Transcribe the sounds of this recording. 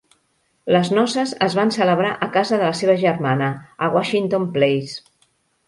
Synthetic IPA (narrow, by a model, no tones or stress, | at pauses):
ləznɔsəzəzβansələβ̞ɾaʔəkazəðələseβəʒərmanəəɣwaʃint̪omplejs